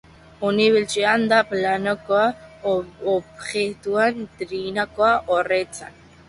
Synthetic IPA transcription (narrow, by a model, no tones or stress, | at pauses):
uniβilt͡ʃeand̪aplanokoa | opɣet̪uant̪ɾinakoaʔoret͡sa̰n